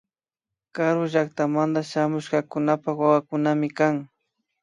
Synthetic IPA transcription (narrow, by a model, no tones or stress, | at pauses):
kaɾʊʒak̚t̪amand̪aʃamʊʃɢɑkʊnapawawakʊnamɪkaŋ